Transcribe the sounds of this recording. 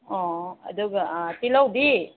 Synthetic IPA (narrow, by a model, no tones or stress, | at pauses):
ɔ̃a̰d̪ukt̪ilawd̪i